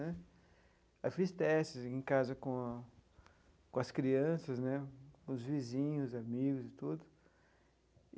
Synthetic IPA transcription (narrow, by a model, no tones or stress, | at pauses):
nɛ | ɐfist̪ɛsɪzẽkazɐkõ | kõɐskɾiɐ̃sɐznɛkõʊzvizĩɲʊzamiɡʊzɪt̪ud̪ʊ